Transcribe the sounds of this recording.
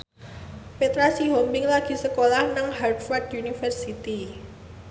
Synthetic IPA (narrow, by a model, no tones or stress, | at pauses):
pet̪ɾasiɦɔmbɪŋlaɡ̥i̤səkolahnaŋhard̪fardjunifərsit̪i